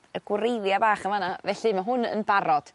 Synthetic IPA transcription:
əɡ̥wrejðjabaːχəmanavɛɬɨmaɦʊnə̰nbaɾɔd̥

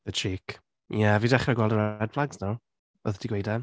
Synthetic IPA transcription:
ət͡ʃʰiːk | javiːdaχraɡwɛldəɾadbflaɡznaw | ɔðd̥iɡwejdan

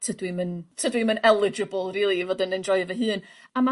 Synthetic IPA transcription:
tʰədwiməntʰədwimənɛlˠɪd͡ʒɪbəlˠriːlˠivoːdənəndrɔɨvəɦɨːnama

